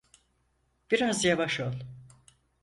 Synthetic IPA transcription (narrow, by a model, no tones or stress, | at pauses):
b̥iɾazjavaʃo̞lˠ